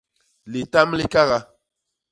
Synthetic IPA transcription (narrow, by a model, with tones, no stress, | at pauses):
li˨ta˦mli˦ka˦ɣa˦